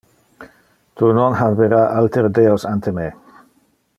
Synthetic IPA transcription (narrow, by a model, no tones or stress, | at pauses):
t̪ʰunɔnɦaveɾaʔalt̪eɾd̪eosant̪ʰeme